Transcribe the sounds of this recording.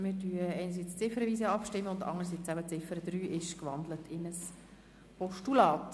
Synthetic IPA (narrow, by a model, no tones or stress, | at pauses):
mɪɾdyəɛɪnəɾs̬it͡st͡sɪfəɾəviːsəɑpʃtɪmːəʊndɑ̰ŋəɾs̬it͡sæbət͡sɪfəɾəd̥̪ɾyːʔɪʃkʋɑnd̪lətʰɪnəs | pɔʃtulɑːt